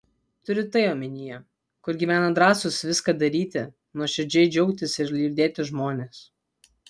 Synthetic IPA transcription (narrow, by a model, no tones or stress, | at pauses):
t̪ʊɾʲɪt̪ɐɪoːmʲɪnʲijo | kʊɾɡʲiːʋʲæːnɐd̪ɾɑːsʊsʋʲɪskɑd̪ɐɾʲiːt̪ʲɪ | nuɔʃʲɛɾʲd͡ʒʲɛɪd͡ʒʲɛʊkt̪ʲɪsɪɾlʲiːɾʲd̪ʲeːt̪ʲɪʒmoːnʲeːs